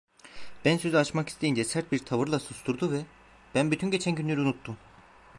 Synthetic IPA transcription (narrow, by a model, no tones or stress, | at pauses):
b̥ænsøzyat͡ʃmaki̥st̪ʰejind͡ʒɛsæɾt̪̚biɾt̪ʰavɯɾlˠasust̪ʰuɾd̪uvɛ | b̥ænbyt̪ʰynɟe̞t͡ʃʰænɟynlʲyɾunut̪ʰːum